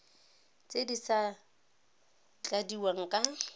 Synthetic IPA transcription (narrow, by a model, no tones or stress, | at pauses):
t͡sʼedisa | t͡ɬʼadiwaŋ̩kʼa